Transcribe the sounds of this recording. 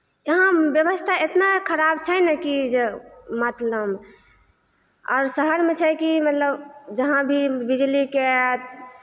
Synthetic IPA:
jəɦãbjəβəst̪ʰaet̪nakʰəɾabt͡ʃʰɛjnɛkid͡ʒemat̪ləb | ɔ̰ːɾsəɦəɾmẽt͡ʃʰɛkimət̪ləbd͡ʒəɦãbʱibid͡ʒlike

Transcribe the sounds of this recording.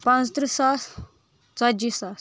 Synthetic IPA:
pãnt͡st̪ɾisas | t͡sad͡ʑisas

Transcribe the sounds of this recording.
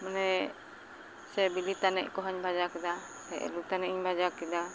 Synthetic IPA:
mana | sɛbilit̪anɛʔkɔɦaɲbad͡ʒakida | ta̰ʔlut̪anɛʔɲbad͡ʒakida

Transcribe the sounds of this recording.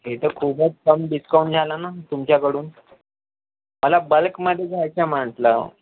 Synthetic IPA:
ɦet̪əkʰubət͡skəmɖiskaund͡zʱalanat̪umt͡ɕjakəɽuːn | məlabəlkməd̪ʱjed͡zʱajt͡ɕjam̤aɳʈlə̰

